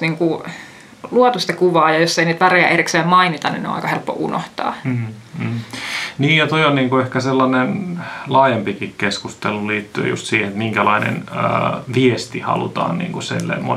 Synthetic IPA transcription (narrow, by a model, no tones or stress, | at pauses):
niːŋku | luot̪ust̪ekuʋɑːjɑjosːeiniːt̪ʋæreæ̰ʔerikseːmmɑinit̪ɑnḭneõ̰ɑ̰ikɑhelpːo̰ʔṵno̰ht̪ɑ̰ː | niːjjɑt̪oionniːŋkuehkæselːɑnenlɑːjempikikkeskust̪eluliːt̪ːyø̰jṵst̪siːhenet̪miŋkælɑinḛnə̰ʋiest̪ihɑ̰lṵt̪ɑ̰ːnnḭːŋkusḛlːḛmmo